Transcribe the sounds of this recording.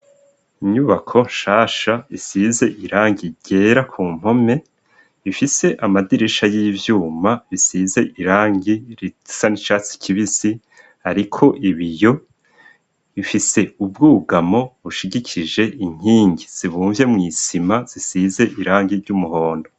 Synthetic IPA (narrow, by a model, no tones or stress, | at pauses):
iɲuβakʰo̞nʃaːʃaisize̞ʔiɾaːŋɡiɟ̥e̞ɾakʰuːm̥ho̞me̞ | ifise̞ʔamadiɾiʃajiːvjuːmaβisize̞ʔiɾaːŋɡiɾiisanit͡ʃaːt͡si̥kʰiβizi | haɾikʰo̞ʔiβijo̞ | ifise̞ub̚ɡuɡamo̞βuʃiɟicʰid͡ʒe̞ʔiɲ̥iːŋɡiz̥iβuːɱvje̞mŋiːsimaz̥isize̞ʔiɾaːŋɡiɾɟumuho̞ːndo